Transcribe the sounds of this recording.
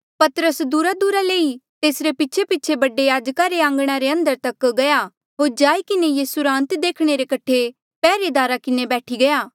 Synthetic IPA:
pɐt̪əɾəsd̪uːɾad̪uːɾaleːit̪eːsɾepɪtːt͡ʃʰepɪtːt͡ʃʰebɐɖːejaːd͡ʒkaɾeãːŋɡɽ̃aɾeɐ̃nd̪əɾt̪ɐkɡɐja | ɦoːɾd͡ʒaːikɪnejeːsuɾãːnt̪d̪eːkʰɽ̃eɾekɐʈʰe | pɛːɾed̪aːɾakɪnebɛːʈʰiɡɐjaː

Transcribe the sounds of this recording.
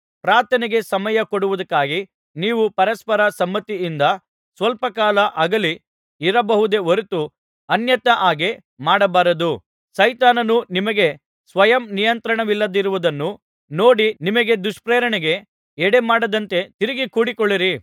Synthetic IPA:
pɾaːt̪ɐniɡe̞sɐmɐjɐkoɽuʋud̪ɐkːaːɡi | niːʋupɐɾɐspɐɾɐsɐmːɐt̪iːnd̪ɐ | sʋɐlpɐkaːlɐʔɐɡɐli | iɾɐbɐɦud̪e̞oɾut̪u | ɐnjɐt̪ɐʔaːɡe | maːɽɐbaːɾɐd̪u | sɐjt̪aːnɐnunimɐɡe̞ | sʋɐjɐmnijɐnt̪ɾɐɳɐʋilːɐd̪iɾuʋud̪ɐnːu | no̞ːɽinimɐɡe̞d̪uʂpɾeːɾɐɳɛɡe̞ | ɛɽe̞maːɽɐd̪ɐnt̪e̞t̪iɾiɡikuːɽikɔɭːiɾi

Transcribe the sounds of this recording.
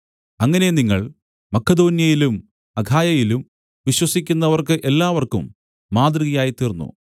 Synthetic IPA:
ɐŋːɐne̞niŋːɐ̰ɭ | mɐkʰːɐd̪o̞ːnjɐjilum | ɐɡʱaːjɐjilum | ʋiɕwɐsikʲːunːɐʋɐrkɨʔe̞lːaːʋɐrkṵmː | aːd̪rɨɣɐjaːjit̪ːiːrnːṵ

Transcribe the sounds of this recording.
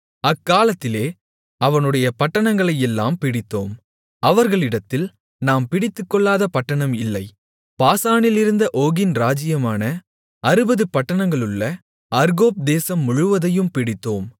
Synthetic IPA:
ɐkːaːlɐt̪ːɪleː | ɐʋɐnɯɽɐjɐpɐʈːɐɳɐŋɡɐɭɐjɛlːa̰ːmpɪɽɪt̪ːoːm | ɐʋɐɾɣɐɭɪɽɐt̪ːɪl | naːmpɪɽɪt̪ːɯkːɔɭːaːðɐpɐʈːɐɳɐmɪlːɐɪ | paːsaːɳɪlɪɾɯnd̪ɐʔoːɣɪnɾaːd͡ʒɪjɐmaːnɐ | ɐɾɯbɐðɯpɐʈːɐɳɐŋɡɐɭɯɭːɐ | ɐɾɣoːp̚d̪eːsɐmːʊɻʊʋɐðɐjɯmpɪɽɪt̪ːoːm

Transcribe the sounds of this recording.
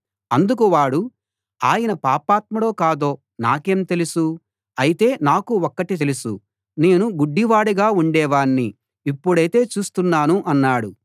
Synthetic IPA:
ɐnd̪uk̬uʋaːɽu | a̰ːjɐnɐpaːpaːt̪̚mɐlo̞ːkaːd̪o̞ː | na̰ːke̞ːmt̪e̞lusu | ɐjit̪e̞ːnaːkuɔkːɐʈit̪e̞lusṵ | ne̞ːnuɡuɖːiʋaːɽiɡaːuɳɖɛːʋaːɳːi | ipːuɽɐjt̪e̞ːt͡ʃuːst̪unːaːnuʔɐnːaːɽu

